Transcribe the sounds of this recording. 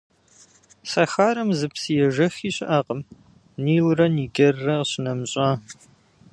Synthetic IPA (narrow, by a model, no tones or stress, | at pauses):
sɐxaːɾɐmzɨpsijɛʒɐxiːɕʼɪ̰ʔaːqəm | niːwrɐniːɡɐrːɐɕɪnɐmɕʼaː